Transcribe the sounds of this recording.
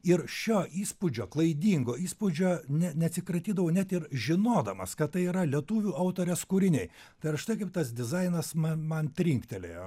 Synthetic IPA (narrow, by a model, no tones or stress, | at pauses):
ɪɾʃʲoːʔiːspʊd͡ʒʲoːklˠɐɪd̪ʲiːŋɡoːiːspʊd͡ʒʲoːnʲɛnʲɛɐt̪sʲɪkɾɐt̪ʲiːd̪ɐʋoːnʲɛt̪ɪɾʒʲɪnoːd̪ɐmɐskɐt̪t̪ːɐɪiːɾɐlʲiɛt̪uːʋʲuːɐʊt̪oːɾʲɛskʊɾʲɪnʲɛɪt̪ɐɪɾɐʃt̪ɐɪkɐɪp̚t̪ɐsd̪ʲɪzɐɪnɐsmɐmɐnt̪ʲɾʲiŋkt̪ʲɛlʲejo̰ː